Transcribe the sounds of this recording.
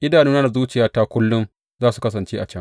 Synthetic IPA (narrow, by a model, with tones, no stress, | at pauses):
ʔɪ˦daː˨nɪ˦na˦da˨zuː˦t͡ʃɪ˨jaː˦ta˦kʷʊ˦lːʊ˦m | zaː˦su˨kɐ˦s̬ɐ˨nt͡ʃeː˦ʔa˨t͡ʃɐ˦ŋ